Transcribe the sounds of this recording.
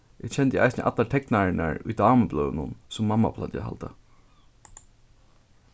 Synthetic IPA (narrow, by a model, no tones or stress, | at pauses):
ʔɪ̥t͡ɕʰɛnt̪əʔa̰jsnəʔa̰t̪laʈ̪ʰɛknaɹɪna̰ɹʊjd̪ɑːməblœːnʊnsʊmːamːa̰pʰla̰nə̰ɦa̰lt̪ə